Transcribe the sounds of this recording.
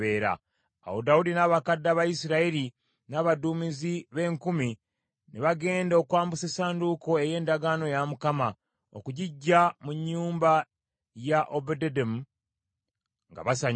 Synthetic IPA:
eːɾa̰ː | wodawudinaːβakadːaβajisiɾaeɾi | naːβaduːmiziβe̞ːŋkumi | neβaɡe̞ːndo̞kwaːmbusesaːnduko̞e̞je̞ːndaɡano̞jamukama | o̰kuɟiɟːamuɲːuːmba | jaʔobededem | ŋɡa̰βasaɲ

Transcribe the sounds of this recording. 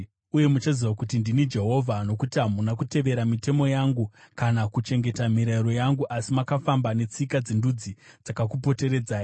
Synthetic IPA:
uje̞mut͡ʃaziwakutindinid͡ʒe̞ɦo̞vʱano̞kutiɦamunakute̞ʋe̞ɾamite̞mo̞jaŋɡukanakut͡ʃe̞ŋɡe̞tam̤iɾaiɾo̞jaŋɡuʔasimakafambane̞t͡sikad͡zindud͡zid͡zakakupo̞te̞ɾe̞d͡zaːji

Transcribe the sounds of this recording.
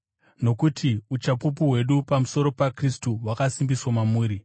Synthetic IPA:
no̞kutʰiut͡ʃapup̬uɦwe̞ɗupamuso̞ɾo̞pakristuwakasimbiswamamuːɾi

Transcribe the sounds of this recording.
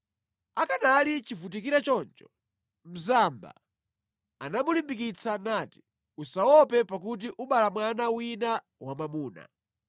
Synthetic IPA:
akanalit͡ʃivut̬ikiɾat͡ʃɔnt͡ʃɔ̥ | m̩zamba̰ | anamulimbikit͡sʰanati̥ | usawɔpɛpak̬ut̬iʔuɓalamwanawina | wamamuːna̰

